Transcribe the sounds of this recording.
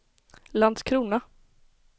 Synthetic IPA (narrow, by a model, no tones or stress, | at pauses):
land̪skʰɾuːna